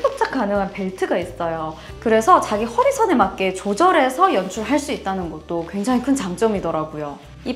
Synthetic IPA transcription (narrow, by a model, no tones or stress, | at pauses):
bok̚t͡ɕ͈ak̚k͈anɯŋɦanpe̞ɭtʰɯɡais͈ʌjo | kɯɾe̞sʰʌt͡ɕaɡihʌɾisʰʌnemak͈e̞t͡ɕod͡ʑʌɾe̞sʰʌjʌnt͡ɕʰuɭɦaɭs͈uit̚t͈anɯnɡʌt̚t͈okwe̞ŋd͡ʑaŋikʰɯnt͡ɕaŋt͡ɕ͈ʌmidʌɾaɡujo | i